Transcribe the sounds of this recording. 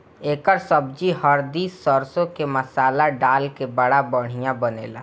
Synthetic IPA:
eːkəɾsəbd͡ʒiɦəɾd̪iːsːəɾsõkeməsaːlaɖaːlkebəɽabəɽ̤̃ijãbəneːla̰

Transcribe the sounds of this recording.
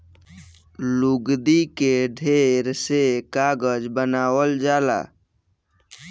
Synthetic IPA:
luɡd̪ikeɖʱeɾsekaɡəd͡ʒbənaːwəld͡ʒaːla̰ː

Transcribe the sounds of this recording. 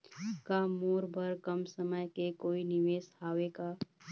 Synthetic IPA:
kamoːɾbʱəɾkəmsəməjkekoːinɪʋeːshaːʋeka

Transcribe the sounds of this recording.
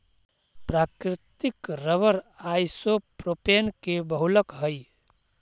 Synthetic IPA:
pɾaːkɾɪt̪ɪkɾəʋəɾajsopɾopeːnkebəɦʊləkɦəj

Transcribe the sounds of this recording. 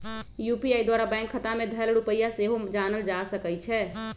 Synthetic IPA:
jupiajd̪waɾabãŋkʰːət̪amed̪ʱəlɽupəjaseɦod͡ʒanəld͡ʒasəkəjt͡ʃʰɛ

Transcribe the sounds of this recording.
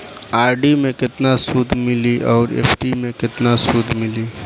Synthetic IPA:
aːɾɖimẽkɪt̪nasuːd̪ʱmɪliʔɔːɾḛːpʰʈimẽkɪt̪nasuːd̪ʱmɪliː

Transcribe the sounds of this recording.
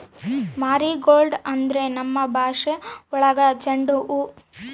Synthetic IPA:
maːɾiɡoːɭɖɐnd̪ɾenɐmːɐbʱaːʂeɔɭɐɡɐt͡ʃɐɳɖuʔu

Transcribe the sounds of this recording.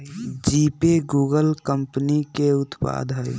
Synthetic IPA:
d͡ʒipeɡuːɡəlkəmpnikeʊt̪pa̰ːd̪ʱɦəj

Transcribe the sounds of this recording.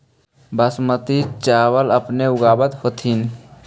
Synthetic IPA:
bəsmət̪it͡ʃaːwələpneʊɡaːbət̪hoːt̪ʰin

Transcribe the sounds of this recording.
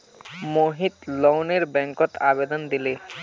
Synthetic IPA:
moɦit̪lɔwneɾbɛŋkɔt̪abed̪ɔnd̪ile

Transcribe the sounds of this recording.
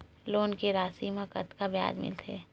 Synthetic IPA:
loːnkeɾaːsimɐkə̰t̪kabja̰ːd͡ʒmɪ̰lt̪ʰḛː

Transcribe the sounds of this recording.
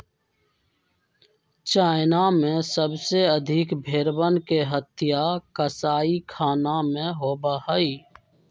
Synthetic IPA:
t͡ʃaːɪnamẽsəbseəd̪ʱɪkbʱeːɾbənkeɦət̪ɪjakəsaːikʰaːnamẽɦoːbahəi

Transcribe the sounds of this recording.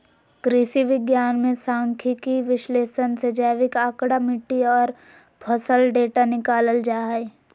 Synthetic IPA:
kɾɪsiʋɪɡjaːnmẽsãːŋkʰikiʋɪʃleːʃənsed͡ʒaːʋɪkaːkɽamɪʈːiɔːɾ | pʰəsəlɖeːʈanɪkaːləld͡ʒaːɦe

